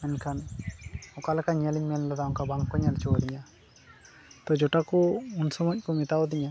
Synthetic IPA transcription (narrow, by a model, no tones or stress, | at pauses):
mɛnkʰan | ɔkalkaɲɛliɲmɛnlad̪auŋkabaŋkɔɲalt͡ʃʰɔɔd̪iɲa | t̪ɔd͡ʒɔʈakɔunsɔmɔc̚ˀkɔmit̪aɔd̪iɲa